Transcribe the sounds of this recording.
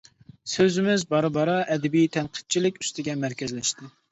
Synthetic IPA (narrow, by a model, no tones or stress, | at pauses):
søzɪmɪzbɑɾɨbɑɾɑʔɛd̪ɛbijt̪ʰɛnqʰə̥d̪̚t͡ʃʰilɪkʲy̥st̪ɪɡʲɛmæɾkʲɛzlɛʃt̪ɪ